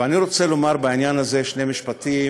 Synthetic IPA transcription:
aniʁo̞t͡se̞lo̞maʁbainjanazeʃne̞jmiʃpat̪i

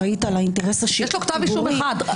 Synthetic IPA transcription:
ait̪alaint̪eʁesaʃieʃlokt̪aviʃuuʁiad̪

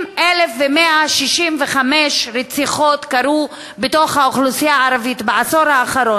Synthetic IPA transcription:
ʔelefvemeʔaʃiʃimveχameʃɾet͡siχo̞tkaɾu | beto̞χhaoχlusijaaɾavitbaaso̞ɾhaːχaɾo

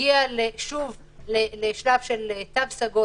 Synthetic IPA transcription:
ialeʃuv | leleʃlavʃelet̪avsaɡo

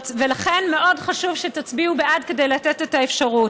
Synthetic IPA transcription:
velaχe̞nme̞ʔo̞dχaʃuvʃetat͡sbiubeʔadke̞dejlatetetaefʃaʁut

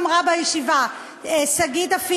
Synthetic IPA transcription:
mʁabajeʃiva | esaɡit̪afi

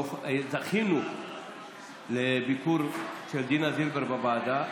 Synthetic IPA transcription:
zaxinu | lebikuɾt͡ʃeld̪inazilbɐɾbabaːd̪a

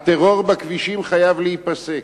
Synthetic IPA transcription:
t̪eʁo̞ʁbakviʃimχajavlehipasek

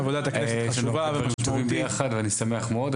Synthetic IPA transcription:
avod̪at̪akʃenvavet̪uvimbejaχad̪veanisameaχmeod

